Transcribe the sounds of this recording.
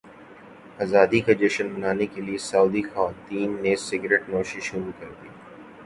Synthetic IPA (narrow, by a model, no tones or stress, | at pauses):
ɐzaːd̪ikɐd͡ʒɪʃənbɐnaːnekeliesauːd̪ixaʋaːt̪iːnːesɪɡɾeʈnoːʃiʃʊɾukɐɾd̪iː